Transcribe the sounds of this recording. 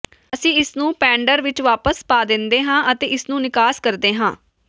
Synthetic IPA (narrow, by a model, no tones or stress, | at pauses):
əsĩːɪsnũːpɛ̃ːɳɖəɾʋɪt͡ʃʋaːpəspaːd̪ɪnd̪eːɦãːʔət̪eːʔɪsnũːnɪkaːskəɾd̪eːɦãː